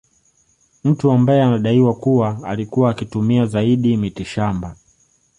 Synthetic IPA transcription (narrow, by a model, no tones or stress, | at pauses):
m̩tuambajɛanaɗaiwakuwaalikuwaːkitumiazaiɗimitiʃamba